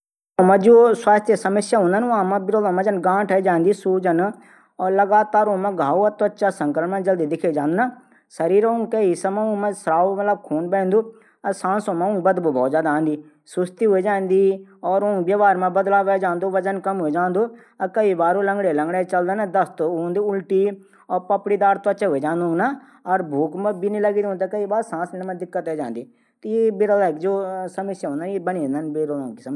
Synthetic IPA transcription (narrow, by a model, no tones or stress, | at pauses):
õmɐ̃d͡ʒoswaːst̪ʰjəsɐməsjaɦʊ̃nd̪ənãmɐ̃bɪɾoːd̪õmɐ̃d͡ʒɐnɡãːʈʰed͡ʒãːnd̪isuːd͡ʒən | ɔːɾlɐɡaːt̪aːɾõːmẽɡʱaːuɐt̪oɐtːʃasɐ̃ŋkɾəɳmɐ̃d͡ʒɐld̪id̪ɪkʰed͡ʒãːnd̪una | sɐɾiːɾõŋkɐisɐmɐũmɐ̃sɾaːomɐt̪ləb̚kʰoːnbẽːnd̪uː | ɐsãːnsõmɐ̃ũːbɐd̪bubɔːt̪d͡ʒjaːd̪aːnd̪iː | sʊst̪iɦʊed͡ʒãːnd̪iɔːɾõŋɡbjaːʋaːɾmãːbəd̪laːʋɛd͡ʒãːnd̪oːʋət͡ʃənkəmɦʊeːd͡ʒãːnd̪oː | kəiːbaːɾoːləŋɡɽeːləŋɡɽeːt͡ʃəld̪eːnad̪əst̪ooːnd̪iːʊlʈiː | ɔːɾpəpɽiːd̪aːɾt̪oət͡ʃeːɦʊeːd͡ʒãːnd̪ũːɡna | ɔɾbʱuːkmbiːnĩːləɡiːd̪õːnd̪aːkəiːbaːɾsãːsenːmãd̪ɪkːət̪ɛːd͡ʒãːnd̪iː | t̪ːebɪɾəlaːkd͡ʒoːsəmɪsjaːɦõːnd̪aːnebənĩːẽnd̪aːnbɪɾlõːkisəm